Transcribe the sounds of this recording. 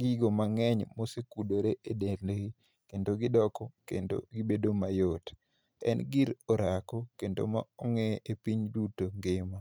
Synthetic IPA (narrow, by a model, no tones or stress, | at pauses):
ɡiɡomaŋɛɲmosekudoɾeʔedeɾleɡi | kendoɡɪdɔkɔkḛndo̰ɡibedomajot | ɛ̰nɡiɾoɾakɔkendo̰ma̰ɔŋɛepiɲdutoŋɡɪma